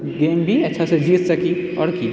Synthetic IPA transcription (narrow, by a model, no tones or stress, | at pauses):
ɡeːmbʱiɐtːʃʰased͡ʒiːt̪sɐkiɔ̰ːɾki